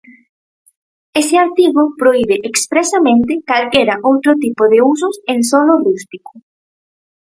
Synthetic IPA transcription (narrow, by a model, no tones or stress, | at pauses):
esɪaɾt̪iβʊpɾoiβeʔekspɾesamẽnt̪ɪkalkeɾaʔowt̪ɾot̪ipoðeus̬ʊseŋsolorust̪ikʊ̥